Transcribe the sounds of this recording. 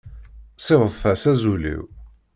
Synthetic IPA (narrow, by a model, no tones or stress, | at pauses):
sˤevəðˤfæsæzulḭw